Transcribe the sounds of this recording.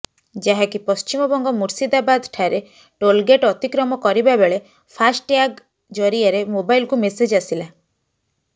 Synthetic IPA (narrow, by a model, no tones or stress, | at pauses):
d͡ʒaɦakipɔst͡ʃimɔbɔŋɡɔmuɾsid̪abad̪ʈʰaɾe | ʈolɡeʈɔt̪ikɾɔmɔkɔɾibabeɭe | pʰasʈjaɡ | d͡ʒɔɾiaɾemobajlkumesed͡ʒasila